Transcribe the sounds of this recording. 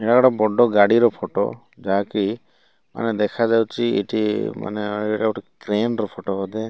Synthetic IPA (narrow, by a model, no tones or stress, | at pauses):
eʈaɡaɽɔbɔɖɔɡaɽiɾɔpʰɔʈɔ̰ | d͡ʒaki | ma̰ned̪ɛkʰad͡ʒawt͡ʃʰiḛʈima̰nḛʈaoʈikɾenɾɔpʰɔʈɔɦɔd̪e